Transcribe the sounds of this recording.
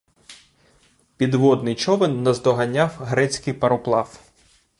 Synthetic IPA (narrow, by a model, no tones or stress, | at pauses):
pʲid̪ʋɔd̪nɪjt͡ʃɔʋɪnːɐzd̪ɔɦɐnʲːɑwɦɾɛt͡sʲkɪjpɐɾɔplˠɑw